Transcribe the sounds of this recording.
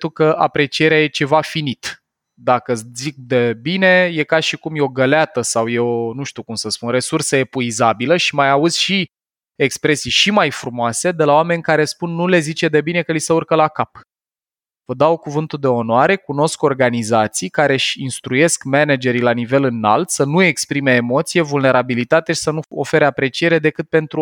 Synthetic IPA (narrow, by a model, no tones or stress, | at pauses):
t̪ukəʔa̰pɾe̞t͡ʃije̞ɾeaje̞t͡ʃe̞vafinit̪ | d̪akəzik̚d̪e̞bine̞je̞kaʃikumjeo̞ɡəleat̪əsawjeonuʃt̪iukumsəspunre̞sursəe̞puizabiləʃimajauz̥ʲʃi | e̞kspɾe̞sijʃimajfɾumoase̞d̪e̞laowame̞nʲkaɾe̞spunːule̞zit͡ʃe̞d̪e̞bine̞kəlisəurkəlakap | vəd̪awkuvɨnt̪ud̪e̞o̞noaɾe̞kuno̞sko̞rɡanizat̪sijkaɾe̞ʃinst̪ɾuje̞skmened͡ʒe̞ɾilanive̞lɨna̰lt̪sənue̞kspɾime̞ːmo̞t̪sije̞vulne̞ɾabilit̪at̪eʃi̥sənuo̰fe̞ɾeapɾe̞t͡ʃie̞ɾed̪e̞kɨt̪̚pe̞nt̪ɾu